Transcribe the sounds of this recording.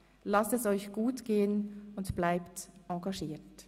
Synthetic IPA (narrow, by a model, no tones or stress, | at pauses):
lastɛsɔʏçɡ̥uːtɡ̥eːənʊntb̥laɪptʔɑ̃ɡɑʃiːt